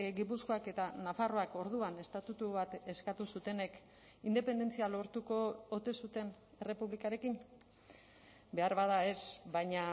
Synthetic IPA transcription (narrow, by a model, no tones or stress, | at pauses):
ɡipusko̞ake̞t̪anafaro̞ako̞ɾðuane̞st̪at̪ut̪uβat̪e̞skat̪usut̪e̞ne̞k | ind̪e̞pe̞nd̪e̞nt͡sialo̞ɾt̪ukoot̪esut̪e̞n | e̞re̞puβlikaɾe̞kim | be̞aɾβað̞ae̞sbaɲa